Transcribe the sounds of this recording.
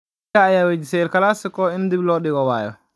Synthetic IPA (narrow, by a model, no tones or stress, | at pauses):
aːjawed͡ʒisɛlkalasikɔindiblɔɗiɡɔwa̰jɔ̰